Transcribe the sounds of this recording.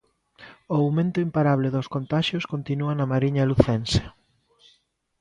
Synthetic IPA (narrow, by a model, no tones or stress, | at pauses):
oawmẽnt̪ʊimpaɾaβlɪðoskont̪aʃjoskont̪inuɐnɐmaɾiɲɐluθense̥